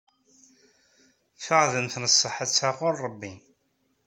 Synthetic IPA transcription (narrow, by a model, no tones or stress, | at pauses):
fəʁðənθnəsˤːəħət͡sːaʁʊɾˤəbːi